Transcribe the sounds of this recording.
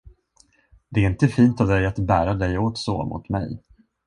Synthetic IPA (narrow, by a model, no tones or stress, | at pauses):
d̪ɛæɾɪnt̪əfiːnt̪ɔvd̪ɛjat̪bæːɾad̪ɛjoːt̪so̰ːmʊ̰t̪mɛ̰j